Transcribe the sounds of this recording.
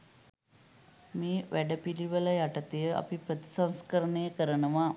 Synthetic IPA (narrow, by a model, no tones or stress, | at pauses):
miːʋæɖəpiliʋəlajaʈət̪ejəa̰pipɾət̪i̥sãñskəɾəɳejəkəɾəɳəʋa